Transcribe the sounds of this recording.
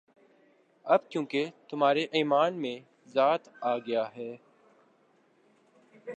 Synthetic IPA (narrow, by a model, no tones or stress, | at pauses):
ɐb̚kjõːket̪ʊm̤aːɾeʔiːmaːnmẽː | zaːt̪aːɡəjaːɦɛː